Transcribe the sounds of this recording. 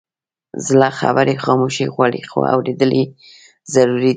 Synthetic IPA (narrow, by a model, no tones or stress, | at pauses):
zlɑxa̰bəɾexɑmuʃeɣʷwaɽixo̰a̰wɾed̪əli | zaɾuɾi